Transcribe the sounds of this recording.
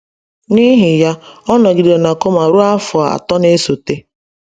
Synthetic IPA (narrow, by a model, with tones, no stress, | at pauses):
ni˦ɦɪ˨ja˦ɔ˦nɔ˨ɡi˨de˨na˨ko˦ma˨ɾu˦a˦fʊ˨a˨a̰˨tɔ˦ne˦so˨te˦